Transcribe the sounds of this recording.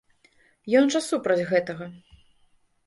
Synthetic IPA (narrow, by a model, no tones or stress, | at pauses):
jɔnʐɐsupɾɐd͡zʲɣɛt̪ɐɣɐ